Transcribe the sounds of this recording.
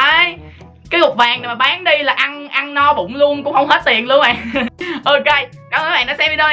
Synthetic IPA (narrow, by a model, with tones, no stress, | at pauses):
ʔaː˧j | kaː˨˦jŋʊ˨˩k͡p̚vaː˨˩ŋna˨˩maː˨˩ɓaː˨˦nɗi˧laː˨˩ʔa˧nʔa˧nnɔ˧ɓʊ̰˧˩ŋ͡mlu˧ənkʊ̰˧˥ŋ͡mhə˧wŋ͡mhe˦˥t̚t̪ḭ˨˩ənlu˧ənɓa̰ː˨˩ŋʔo˧ke˧j | kaː˨˩mʔəː˨˦ɓa̰ː˧˨nɔ˨˦sɛ˧mvi˧˩ɗə˧